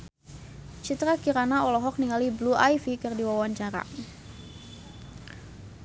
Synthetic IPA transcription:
t͡ʃit̪ɾakiɾanaɔlɔɦɔk̚niŋalibluʔajfikɨrdiwawaɲt͡ʃaɾa̰

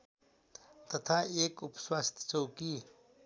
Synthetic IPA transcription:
t̪ɐt̪ʰaeːkupswaːst̪ʰt͡sowki

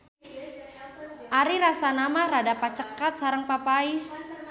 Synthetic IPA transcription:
ʔaɾiɾasanamahradapat͡ʃəkat̪̚saɾəŋpapais

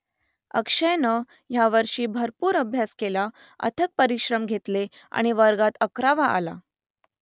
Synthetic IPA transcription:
ə̰kʂəjnə | jaʋəɾʂiːbʱəɾpuːɾəbʱjaskela | ə̰t̪ʰək̚pəɾiɕɾəmɡʱet̪lea̰ɽ̃iʋəɾɡat̪əkɾaʋaʔa̰la̰

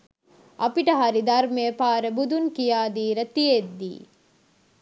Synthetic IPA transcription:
ʔɐpiʈɐɦaɾid̪ɐɾmeːpaːɾebud̪uŋkijaːd̪iːɾət̪ied̪ːḭː

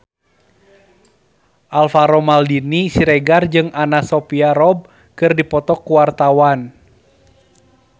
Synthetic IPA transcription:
ʔalfaɾɔmaldinisiɾɛɡard͡ʒɨŋʔanasɔpiaɾɔb̚ | kɨrdipɔt̪ɔkːuwart̪awan

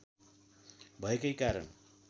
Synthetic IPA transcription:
bʱʌekʌjkaɾʌ̰n

